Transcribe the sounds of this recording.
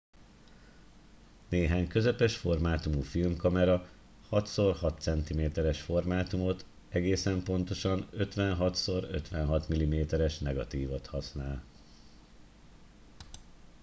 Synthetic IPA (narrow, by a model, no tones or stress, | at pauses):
neːɦaːɲkø̞zɛpɛʃfo̞rmaːt̪umufilmkɒmɛɾɒ | hɒt̪so̞rhɒt̪ːsɛnt̪imeːt̪ɛɾɛʃfo̞rmaːt̪umo̞t̪ | ɛɡeːsɛmpo̞n̪t̪o̞ʃɒnø̞t̪ʋɛnɦɒt̪so̞ɾø̰t̪ʋɛnɦɒt̪milimeːt̪ɛɾɛʃnɛɡɒ̰t̪iːvo̞t̪hɒsnaːl